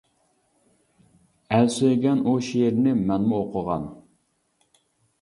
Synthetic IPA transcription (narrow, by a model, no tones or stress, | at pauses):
ælsøjɡʲɛnuʃijeɾnɪmɛnmʊoqʰəʁɑ̰n